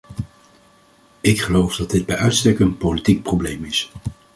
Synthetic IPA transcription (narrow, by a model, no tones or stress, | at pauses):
ɪkχəlowfdɑdɪd̚bɛjœɥtstɛkəənpowlitik̚prowblejmɪs